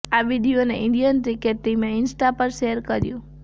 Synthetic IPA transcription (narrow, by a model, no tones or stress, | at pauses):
aʋiɖijoneʔɪ̃ɳɖijənʈɾikeʈːimeɪnsʈapəɾʃeɦəɾkəɾjũ